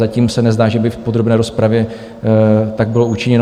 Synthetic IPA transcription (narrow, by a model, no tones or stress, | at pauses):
aciːmsɛnɛzdaːʒɛbɪfpod̪ɾo̞bnɛːɾo̞spɾavjɛ | t̪aɡ̚bɪlout͡ʃɪɲɛn